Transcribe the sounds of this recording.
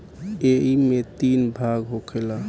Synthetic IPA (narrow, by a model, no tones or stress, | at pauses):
eɦimet̪inbʱaɡɦokʰela